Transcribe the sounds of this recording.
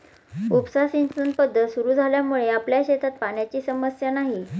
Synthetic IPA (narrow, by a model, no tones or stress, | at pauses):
upsasinsən̚pəd̪ʱːət̪suɾuːd͡zʱaljamuɭeapljaɕet̪at̪̚paɳjat͡ɕiːsəməsjanaɦi